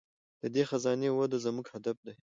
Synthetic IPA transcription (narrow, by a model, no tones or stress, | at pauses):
d̪̥əd̪exazɑnewad̪ozɐmuɡhad̪afd̪aj